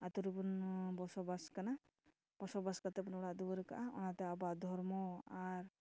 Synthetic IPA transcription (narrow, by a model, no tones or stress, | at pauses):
at̪uɾubunbɔsɔbaskana | b̥ɔsɔbaskat̪epunɔɽad̪ubɔɾka̰ʔaɔ̰nat̪eabad̪ʱɔɾmɔaɾ